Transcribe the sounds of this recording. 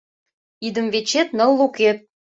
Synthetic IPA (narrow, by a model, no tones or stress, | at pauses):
id̪əmvet͡ɕet̪nəlˠːuket̪̚